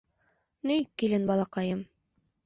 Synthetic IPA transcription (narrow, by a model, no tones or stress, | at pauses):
nikːilɘnbɑlˠɑqɑjɤm